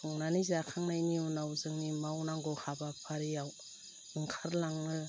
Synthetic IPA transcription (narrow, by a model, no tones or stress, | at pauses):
ɔŋnanizakʰaŋnajniunawzɯŋnimawnaŋɡɔhabapʰaɾijaw | ɯŋkʰaɾlaŋnɯ